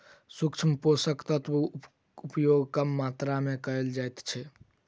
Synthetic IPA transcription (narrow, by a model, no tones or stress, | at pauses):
sukt͡ʃʰəmposəkt̪ət̪b | upjoɡkəmːat̪ɾamekəeld͡ʒajt̪t͡ʃʰɛ